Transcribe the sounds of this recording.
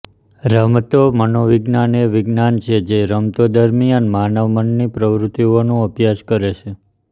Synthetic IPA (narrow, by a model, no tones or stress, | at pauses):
ɾəmt̪omənoʋiɡnaneʋiɡnant͡ʃʰed͡ʒeɾəmt̪od̪əɾmianmanəʋmənːipɾəʋɾut̪ionũəpjad͡ʒkəɾet͡ʃʰe